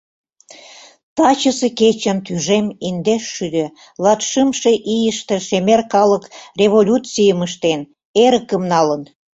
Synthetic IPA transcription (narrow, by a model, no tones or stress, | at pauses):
t̪ɑt͡ɕəseket͡ɕə̆nt̪yʒemind̪eʃːyd̪ø | lɑt̪ʃɨmʃeʔijəʃt̪ĕʃemerkɑləkrʲeβolʲut͡sijəməʃt̪en | eɾəkəmnɑlən